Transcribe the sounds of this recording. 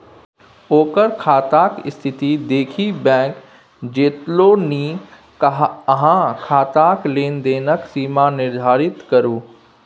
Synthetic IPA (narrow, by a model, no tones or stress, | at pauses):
oːkəɾkʰaːt̪aːkɪst̪ʰɪt̪id̪eːkʰibɛ̃ːk | d͡ʑeːt̪loniː | kɦɦãkʰaːt̪aːkleːnd̪eːnəksiːmanɪɾd̪ʱaːɾɪt̪kɐɾuː